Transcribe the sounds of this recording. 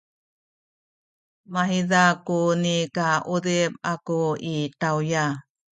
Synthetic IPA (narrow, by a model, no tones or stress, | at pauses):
maɦiðakunikaʔudep̚akuitawja